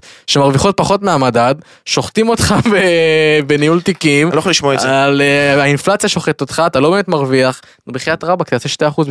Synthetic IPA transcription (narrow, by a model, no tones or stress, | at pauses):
ʃemaʁviχo̞t̚paχo̞t̪meamadad̪ | ʃo̞χt̪imo̞tχabebenijult̪ikimojχoliʃmoaezealeainflat͡sjaʃo̞χet̪ot̪χaːtalobeːmet̪maʁviaχ | beχijat̪ʁabakt̪aseʃteaχuz